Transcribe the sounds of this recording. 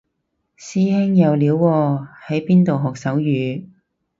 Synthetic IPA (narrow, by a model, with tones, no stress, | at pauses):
siː˥hɛ˥ŋjɐ˨˧wliː˨˥wːɔː˧hɐ˨˥jpiː˥nt̪o˨wɦɔː˨k̚sɐ˨˥wjyː˨˧